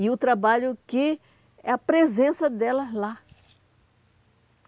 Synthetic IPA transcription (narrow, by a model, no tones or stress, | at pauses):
iʊt̪ɾabaʎʊkɪ | ɛɐpɾezẽsɐd̪ɛlɐzla